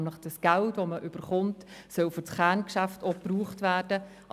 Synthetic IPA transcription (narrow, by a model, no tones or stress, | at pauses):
mləχd̥əsɡ̥æltvoməʔʏb̥əɾχʊntsœlfɔt͡sχæːnkʃæftopruːχtʋæːɾd̥ə | ʔ